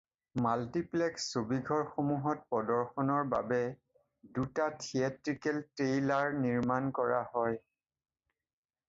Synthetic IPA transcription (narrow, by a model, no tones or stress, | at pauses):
maltiplɛksːobiɡʱɔɹxomuɦɔt̚pɔdɔɹxɔnɔɹba̰bɛ | dutatʰiatɹikɛltɹejlaɹniɹmankɔɹahɔj